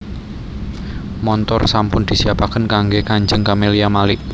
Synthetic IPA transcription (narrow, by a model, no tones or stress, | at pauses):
mɔnt̪ɔrsampʊnd̪̥i̤siapakənkaŋɡekaɲd͡ʒəŋkameliamalɪʔ